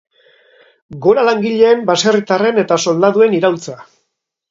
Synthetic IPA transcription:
ɡo̞ɾalaŋɡiʎe̞ːmbaserit̪are̞ne̞t̪aso̞ld̪aðue̞niɾawlt͡sa

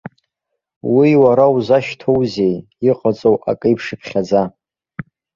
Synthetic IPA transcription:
wiwaɾawzaʃtʰowzej | iqʼat͡sʼowʔa̰kʼɨjpʰʂɨpʰχʲad͡za

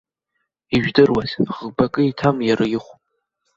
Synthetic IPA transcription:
iʒᶣdɨrwazʁbakʼɨitʰamjaɾʔɨjɪχʷʼ

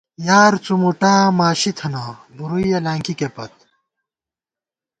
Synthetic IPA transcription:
jaːɾt͡sumuʈaːmaːɕit̪ʰɐnabuɾujɐlaːŋkikepɐt̪̚

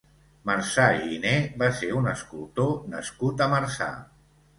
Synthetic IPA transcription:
maɾsainebaseɾunəskulˠt̪onəskut̪əmaɾsa̰

